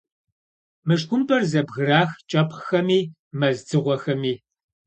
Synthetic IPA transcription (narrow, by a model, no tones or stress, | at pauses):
mɨʂ̬kʷʊmpʰʼɐrzɐbɣɨraːxt͡ʃʼɐpxɐmiː | mɐzd͡zɨʁʷɔxɐmiː